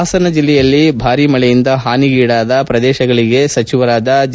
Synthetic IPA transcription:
sɐnɐd͡ʒilːɛjɐlːibʱaːɾimɐɭɛjind̪ɐɦaːniɡiːɽaːd̪ɐpɾɐd̪ɛːʃɐɡɐɭiɡe̞sɐt͡ʃiʋɐɾaːd̪ɐd͡ʒ

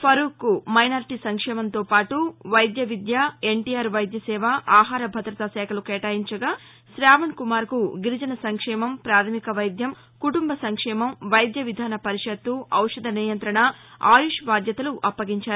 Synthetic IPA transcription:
pʰɐɾuːkumɐjnaːɾʈisɐŋkʂɛːmɐnt̪oːpaːʈuʋɐjd̪jɐʋid̪jae̞ɳʈiːjaːɾʋɐjd̪jɐsɛːʋɐʔaːɦaːɾɐbʱɐd̪ɾɐt̪asɛːkʰɐlukɛːʈaːjiɲt͡ʃɐɡaː | ʃɾaːʋɐnkumaːɾkuɡiɾid͡ʒɐnɐsɐŋkʂɛːmɐmpɾaːt̪ʰɐmikɐʋɐjd̪jɐm | kuʈumbɐsɐŋkʂɛːmɐmʋɐjd̪jɐʋid̪ʱaːnɐpɐɾiʂɐt̪ːuɐwʂɐd̪ʱɐniːjɐnt̪ɾɐɳɐa̰ːjuʂbaːd̪jɐt̪ɐluʔɐpːɐɡiɲt͡ʃaːɾu

